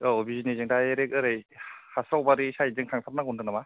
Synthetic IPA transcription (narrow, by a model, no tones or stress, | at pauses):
ɯɔbizinizɯŋdajeɾekɯɾejhasɾawbaɾisaizɯŋtʰaŋtʰaɾ̚naɡɔndɯknama